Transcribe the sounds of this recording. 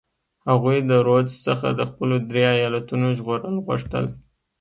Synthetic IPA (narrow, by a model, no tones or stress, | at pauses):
haɣujd̪əɾod͡ʒsəxa̰d̪əxpəlod̪ɾeajɑlat̪unoʒɣoɾəlɣʊ̰ʂt̪ə̰l